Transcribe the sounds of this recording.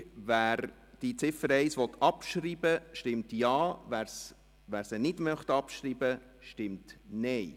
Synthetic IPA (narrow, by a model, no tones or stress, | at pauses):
væːɾ | d̥it͡sɪfəɾɛɪsʋɔt̪ʰːɑpʃɾiːbəʃtɪmtjɑːʋæːɾs | ʋæːɾsənɪdmœχt̪ɑpʃɾiːbə | ʃtɪmtnɛɪ